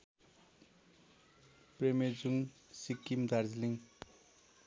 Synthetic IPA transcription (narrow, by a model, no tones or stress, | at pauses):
premed͡zuŋsikːimd̪ʱard͡zliŋ